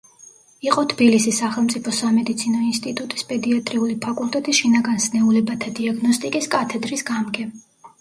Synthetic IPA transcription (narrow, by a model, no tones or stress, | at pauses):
iqʼɔt̪ʰb̥ilisisːaχɛlˠmt̪sʼipʰɔsamɛd̪it̪sʰinɔinst̪ʼit̪ʼut̪ʼispʼɛd̪iat̪ʼɾiulipʰakʼulˠt̪ʼɛt̪ʼisʃinaɡansnɛulɛbat̪ʰad̪iaɡnɔst̪ʼikʼiskʼat̪ʰɛd̪ɾisɡamɡɛ